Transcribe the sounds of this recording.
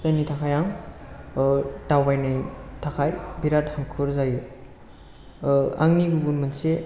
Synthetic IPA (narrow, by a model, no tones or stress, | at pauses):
zajnitʰakʰajaŋ | dawbajnajtʰakʰajbiɾathaŋkʰɯɾzajɯ | a̰ŋniɡubunmɯnse